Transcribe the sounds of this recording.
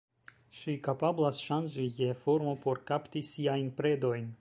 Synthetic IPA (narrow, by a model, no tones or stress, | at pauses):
ʃikapablasʃand͡ʒije̞foɾmo̞po̞ɾkaptisiajnpɾe̞do̞jn